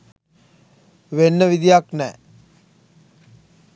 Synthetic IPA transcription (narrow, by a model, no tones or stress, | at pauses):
ʋenːəʋid̪ijaknɛ